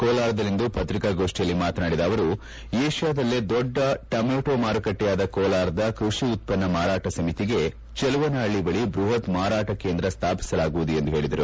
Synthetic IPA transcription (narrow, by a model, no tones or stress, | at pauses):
koːlaːɾɐd̪ɐlːind̪upɐt̪ɾikaːɡoːʂʈijɐlːimaːt̪ɐnaːɽid̪ɐːʋɐɾu | eːʂjaːd̪ɐlːed̪ɔɖːɐʈɐmeːʈoːmaːɾɐkɐʈːɛjaːd̪ɐkoːlaːɾɐd̪ɐkɾuʂiut̪̚pɐnːɐmaːɾaːʈɐsɐmit̪iɡe̞ | t͡ʃɛluʋɐnaːɭibɐɭibɾuɦɐt̪maːɾaːʈɐkeːnd̪ɾɐst̪ʰaːpi̥sɐlaːɡuʋud̪uje̞nd̪uɦe̞ːɭid̪ɐɾu